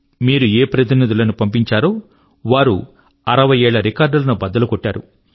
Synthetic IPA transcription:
miːɾueːpɾɐt̪inid̪ulɐnupɐmpiɲt͡ʃaːɾoː | ʋaːɾṵ | ɐɾɐʋɐjɛːɭːɐɾikaːɾɖɐlɐnubɐd̪ːɐlukoʈːaːɾu

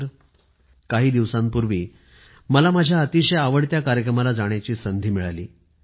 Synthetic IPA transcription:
ɾ | kaɦiːd̪iʋsampuɾʋiː | məlamad͡ʑʱjaət̪iɕəjaʋəɽt̪jakaɾjək̬ɾəmalad͡zaɽ̃jat͡ɕiːsənd̪ʱiːmiɭa̰lḭː

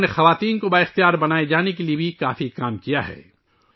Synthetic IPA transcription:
nexɐʋaːt̪iːnkobaːɪxt̪ijaːɾbɐnaːed͡ʒaːnek̬eliebʱikaːfikaːmkijaɦɛ̰ː

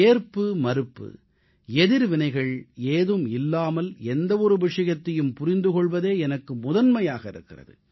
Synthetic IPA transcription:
eːɾpːɯmɐɾɯpːɯ̰ | ɛðɪɾʋɪnɐɪɣɐɭeːðɯmɪlːaːmɐlɛnd̪ɐʋɔɾɯʋɪʂɐjɐt̪ːɐjɯmpʊɾɪnd̪ɯkɔɭʋɐðeːɛnɐkːɯmʊðɐnmɐjaːɣɐɪɾɯ̰kːɪrɐ̰ðɯ̰

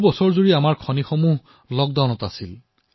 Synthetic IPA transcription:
bɔsɔɹzuɹiamaɹkʰɔnixɔmuɦ | lɔɡ̚dawnɔtasil

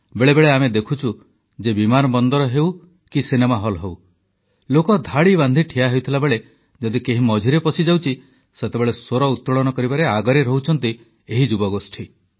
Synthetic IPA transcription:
beɭebeɭeamed̪ekʰut͡ʃʰu | d͡ʒebimanɔbɔnd̪ɔɾɔɦew | kisinemaɦɔlɦew | lokɔd̪ʱaɽiband̪ʱiʈʰiaɦewt̪ʰilabeɭe | d͡ʒɔd̪ikeɦimɔd͡ʒʱiɾepɔsid͡ʒawt͡ʃʰi | set̪ebeɭesoɾɔut̪ːɾɔɭɔnɔkɔɾibaɾeaɡɔɾeɾɔɦut͡ʃʰɔnt̪i | eɦid͡ʒubɔɡosʈʰi

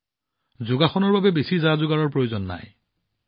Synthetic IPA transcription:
zʊɡaxɔnɔɹbabɛbesizazʊɡaɹɔɹpɹojozɔnːa̰j

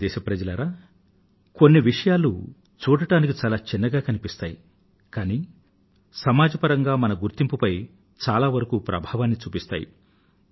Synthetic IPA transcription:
d̪ɛːʃɐpɾɐd͡ʒɐlɐɾaː | konːiʋiʂɐjaːlṵ | t͡ʃuːɽɐʈaːnik̬it͡ʃaːlaːt͡ʃinːɐɡaːkɐnipist̪aːji | kaːniː | sɐmaːd͡ʒɐpɐɾɐŋɡaːmɐnɐɡuɾt̪impupɐj | t͡ʃaːlaːʋɐɾɐkuːpɾʔɐ̰bʱaːʋaːnːit͡ʃuːpist̪a̰ːjḭ

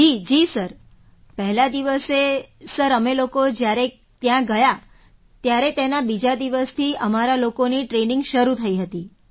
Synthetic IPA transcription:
d͡ʒid͡ʒisəɾ | pəɦlad̪iʋəsesəɾəmelokod͡ʒjaɾe | t̪jãɡəja | t̪jaɾet̪enabid͡ʒad̪iʋəst̪ʰiəmaɾalokoniʈɾeniŋɡʃəɾut̪ʰəiɦət̪i

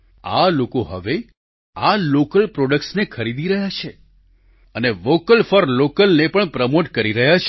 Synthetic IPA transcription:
a̰lokoɦə̰ʋe | alokəlpɾoɖək̚ʈsnekʰəɾid̪iɾəɦjat͡ʃʰe | əneʋokəlfəɾlokəlnepəɳpɾəmoʈkəɾiɾəɦjat͡ʃʰ

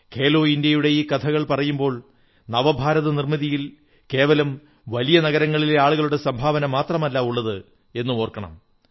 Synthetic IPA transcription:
kʰe̞ːlo̞ːindjɐjuɽejikɐt̪ʰɐɣɐɭpɐrɐjumbo̞ːɭ | nɐʋɐbʱaːɾɐðɐnirmiðijil | ke̞ːʋɐlɐm | ʋɐlijɐnɐɣɐɾɐŋːɐɭileaːɭuɣɐɭuɽe̞sɐmbʱaːʋɐnɐmaːt̪rɐmɐlːɐuɭːɐðɨ | e̞nːɨo̞ːrkɐɳɐ̰m

